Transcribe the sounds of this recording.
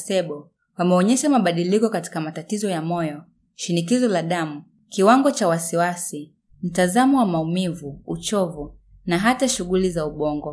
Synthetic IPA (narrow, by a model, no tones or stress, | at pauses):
sɛɓɔ | wamɛɔɲɛʃamaɓaɗilikɔkati̥kamatatizɔjamɔjɔ | ʃinikizɔlaɗamu | kiwaŋɡɔt͡ʃawasiwasi | m̩tazamɔwamaumivuut͡ʃɔvu | naɦataʃuɣulizauɓɔŋɡɔ